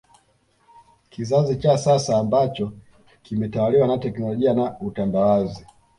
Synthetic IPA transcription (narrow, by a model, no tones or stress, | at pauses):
kizazit͡ʃasasaːmbat͡ʃɔ | kimɛtawaliwanatɛknɔlɔʄianautandawazi